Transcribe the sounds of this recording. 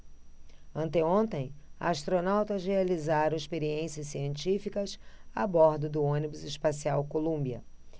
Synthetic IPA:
ɐ̃nt̪eõnt̪ẽj̃ɐast̪ɾonawt̪ɐʒealizaɾɐ̃ɪspeɾiẽsiɐsiẽnt͡ʃifikɐsabɔɾd̪ʊd̪ʊõnibʊzɪspasiawkolũmbiɐ̰

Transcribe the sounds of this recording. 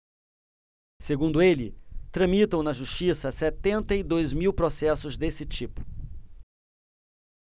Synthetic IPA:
seɡũnd̪ʊelɪt̪ɾɐ̃mit̪ɐ̃w̃nɐʒuʃt͡ʃisɐsɛt̪ẽnt̪ɐid̪ojzmiwpɾosɛsʊzd̪esɪt͡ʃipʊ̥

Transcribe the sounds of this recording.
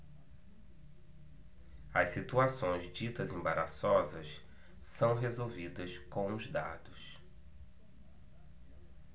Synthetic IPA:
ɐssit̪uasõj̃zd͡ʒit̪ɐzẽbaɾasɔzɐs | sɐ̃w̃ɦezowvid̪ɐskõw̃ʊzd̪a̰d̪ʊs

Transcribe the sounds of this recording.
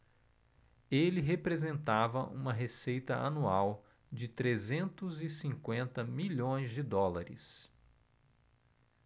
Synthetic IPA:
elɪɦepɾezẽnt̪avɐʔṵ̃mɐɦesejt̪ɐa̰nuaw | d͡ʒɪt̪ɾezẽnt̪ʊzɪsĩŋkwẽnt̪ɐmiʎõj̃zd͡ʒɪd̪ɔlaɾɪ̰s

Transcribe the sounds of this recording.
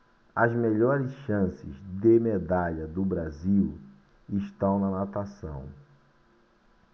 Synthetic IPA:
ɐzmeʎɔɾɪsʃɐ̃sɪ̰zd̪ɪmed̪aʎɐd̪ʊbɾaziw | ɪʃt̪ɐ̃w̃nɐnat̪asɐ̰̃w̃

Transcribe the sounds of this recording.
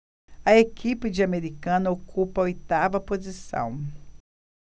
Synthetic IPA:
ɐekipɪd͡ʒɪameɾikɐ̃nɐokʰupɐojt̪avɐpozisɐ̰̃w̃

